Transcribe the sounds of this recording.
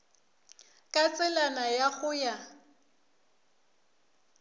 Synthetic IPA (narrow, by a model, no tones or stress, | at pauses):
kʼat͡sʼɛlanajaɣʊja